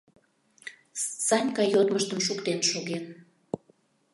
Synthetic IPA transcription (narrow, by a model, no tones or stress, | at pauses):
st͡sɑnʲkɑjot̪məʃt̪əmʃ̬ukt̪enʃoɣen